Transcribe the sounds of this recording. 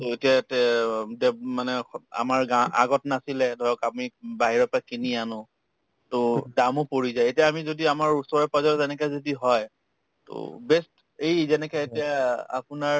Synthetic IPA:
toetijatɛdɛmanɛa̰maɹɡaa̰ɡɔtnasilɛdʱɔjɔkapʊnibaɦiɹɔpakinianʊ | todamʊpoɹizajetijaːmizodiamaɹusɔɹɔpazɔzɛnɛkazodiɦɔj | to̰bɛst | ejzɛnɛkaetijaa̰pʊnaɹ

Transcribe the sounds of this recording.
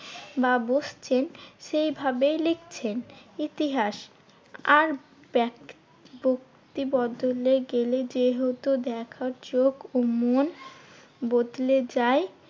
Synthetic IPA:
babost͡ɕʰenʃejbʱabelekt͡ɕʰenit̪iɦaʃ | aɾ | bɛ | bok̚ | t̪ibɔd̪oleɾɡeled͡ʑeɦot̪ud̪ɛkʰaɾd͡ʑoɡomon | bod̪led͡ʑae

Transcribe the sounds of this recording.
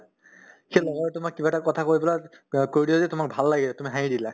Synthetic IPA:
xelɔɡɔɔtʊmakːibatakɔtʰakoɹibɔla | koɹdiozɛtʊmak̚bʱalːaɡilɛtumiɦaidila

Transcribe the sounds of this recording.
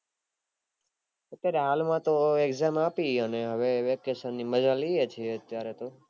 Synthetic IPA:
ət̪jaɾeɦalmãt̪oekzamapiəneɦəʋeʋekːesənːiməd͡ʒaliet͡ʃʰieət̪jaɾet̪o

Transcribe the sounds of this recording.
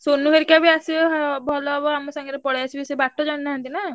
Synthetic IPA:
sonːuɦeɾkabiasiɦbʱɔlɔbɔamɔsãŋɡɾepɔɽeasʰibisebaʈʰːɔd͡ʒaɽnaɦãnt̪ina

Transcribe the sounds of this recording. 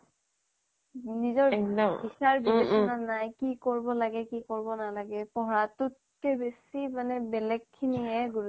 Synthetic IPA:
nizɔɹɔbisaɹbibesɔnanajkikoɹbɔlaɡɛkikoɹbɔnalaɡɛpɔɹatʊt̚ | kɛbesimanɛbɛlɛɡʰːiniɦɛɡuɹu

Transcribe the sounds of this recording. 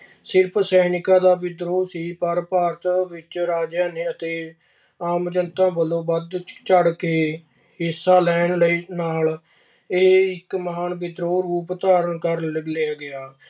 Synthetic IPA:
sɪɾpʰsɛːnɪkãːd̪aːbɪd̪ɾoːsiːpəɾpaːɾt̪ʋɪt͡ʃɾaːd͡ʒjãːneːət̪eː | aːmd͡ʒənt̪ãːbəlõːbəd̪t͡ʃəɽkeː | ɦɪsːaːlɛːnləiːnaːl | ɪɦɪkməɦaːnbɪd̪ɾoːɾuːpt̪aːɾəɳkəɾləɡleaːɡɪaː

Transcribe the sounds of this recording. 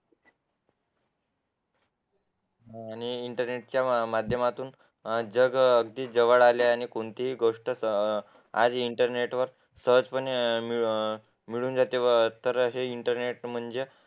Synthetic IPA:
añiːɳʈəɾneʈ̚t͡ɕjamad̪ʱjəmat̪uːn | d͡zəɡəɡ̚d̪iːd͡zəʋəɭaljaañikoɳt̪iɦiɡoʂʈəsə | a̰d͡ziɳʈəɾneʈʋəɾ | səɦəd͡zpəɳmi | miɭuːnd͡zat̪eʋət̪əɾɦeiɳʈəɾneʈm̤əɳd͡ze

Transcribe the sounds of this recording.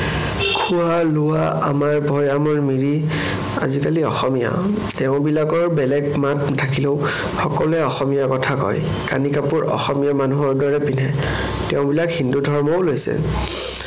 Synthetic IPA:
kʰualʊwaʔa̰maɹbʱɔjamɔɹmiɹi | a̰zikaliɔ̰xɔmija̰ | tɛʊ̃bilakɔɹbɛlɛɡmat̚tʰːakileʊ | xɔkɔlɛɔxɔmijakɔtʰakɔ̰j | ka̰nikapuɹɔ̰xɔmijamanuɦɔɹdɔɹɛpinɛ | tɛʊ̃bilakhindudʱɔɹmɔolojsɛ̰

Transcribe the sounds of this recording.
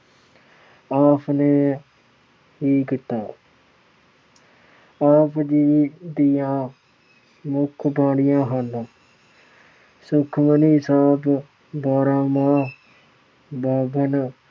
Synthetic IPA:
aːpʰneː | ɦiːkɪt̪ːaː | aːpʰd͡ʒiːd̪ɪjãː | mʊkʰbãːɽɪjãːɦãːnd̪ãː | sʊkʰməniːsaːb | baːɾãːmãː | baːbən

